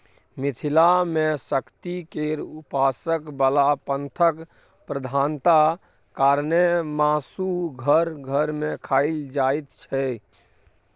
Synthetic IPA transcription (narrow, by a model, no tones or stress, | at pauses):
mit̪ʰilamẽsəkt̪ikeɾupasəkbəlapənt̪ʰək | pɾəd̪ʱaːnt̪a | kaɾnemaːsuɡʱəɾɡʱəɾmẽkʰaild͡ʒajt̪t͡ʃʰɛ